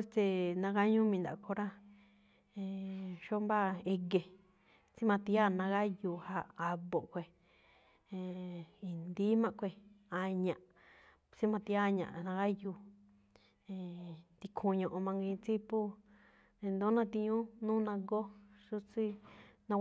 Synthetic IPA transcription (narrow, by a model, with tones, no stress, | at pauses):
e˦st̪e˧nã˧ɡa˦ɲũ˦mĩ˧nd̪a̰˨˧kʰo˧ɾa˦ | ẽ˧ʃo˦mba˦e˧ɡe˧ | t͡si˦mã˧t̪i˧˦a˦˨nã˧ɣa˦ju˧˨ha˧a˧βo˨ʔkʷe˧˨ | ẽ˨i˨nd̪i˦mã˦kʷe˧a˧ɲã˧ʔ | t͡si˦mã˧t̪i˧˦a˦ɲã̰˨ʔnã˧ɣa˦ju˧˨ | ẽ˧t̪i˧kʰu˧ɲõ˧ʔo˧mã˧ŋɡĩ˧t͡si˦pu˦ | ẽ˧nd̪o˦nã˧t̪i˧ɲũ˦nũː˦nã˧ɡo˦ʂu˦t͡si˦nã˧